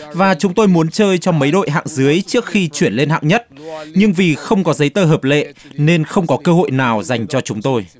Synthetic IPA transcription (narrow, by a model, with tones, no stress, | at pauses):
vaː˨˩t͡ɕʊ˨˦ŋ͡mt̪o˧jmu˨˦ənt͡ɕəː˧jt͡ɕɔ˧mə˨˦jɗo̰˧˨jɦa̰ː˧˨ŋzɨ˨˦əjt͡ɕi˦˥ək̚xi˧t͡ɕwi˧˩ənle˧nha̰ː˧˨wɲə˦˥t̚ɲɨ˧ŋvi˨˩xə˧wŋ͡mkɔ˨˦zə˨˦jt̪əː˧ɦəː˨˩p̚lḛ˧˨ne˧nxə˧wŋ͡mkɔ˨˦kəː˧ɦo̰˧˨jnaː˨˩wza˨˩jŋ̟t͡ɕɔ˧t͡ɕʊ˨˦ŋ͡mt̪o˧j